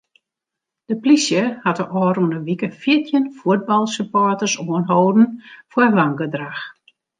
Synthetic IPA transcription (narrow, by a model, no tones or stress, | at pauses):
d̥əplisjəhatəʔɔːɾunəʋikəfiətʰjənfuəd̚bɑlˠsəpɔtərsuənɦoːdn̩fwəlaŋɡədrax